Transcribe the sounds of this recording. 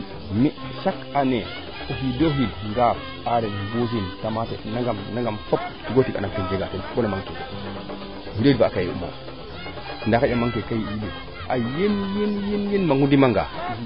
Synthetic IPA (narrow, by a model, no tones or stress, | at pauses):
mi | ʃakane | oɦidoɦilŋɡap | aɾeɡus̬intamatḛnaŋɡamnaŋɡamfop̚tiɡotika̰naktind͡ʒeɡakenkonamaŋke | widoaːkajḭṵmo̰ | indakajamaŋkekajiidi | ʔajenjenjenjenmaŋudimaŋɡa̰